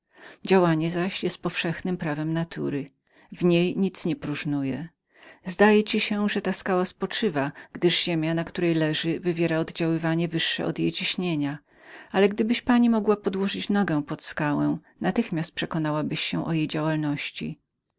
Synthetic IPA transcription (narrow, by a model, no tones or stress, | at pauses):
d͡ʑawaɲɛzaɕjɛst̪̚pɔfʂɛxnɘmpɾavɛmnat̪ʰṵɾɘ | vɲejɲit̪sɲɛpɾuʐnujɛ | zd̪ajɛt͡ɕiɕɛʐɛt̪askawaspɔt͡ʂɘvaɡ̥d̪ɘʐʑemʲjanakt̪uɾɛjlɛʐɘvɘvʲjɛɾaɔd̪d͡ʑawɘvaɲɛvɘʂːɛ̰ʔɔ̰d̪jejt͡ɕiɕɲeɲa | ʔalɛɡd̪ɘbɘɕpaɲimɔɡwapɔd̪wɔʐɘt͡ɕnɔɡɛ̃pɔt̪skawɛ̃ | nat̪ɘxmʲjast̪̚pʂɛkɔnawabɘɕːɛ̃ʔɔjejd͡ʑawalnɔɕt͡ɕḭ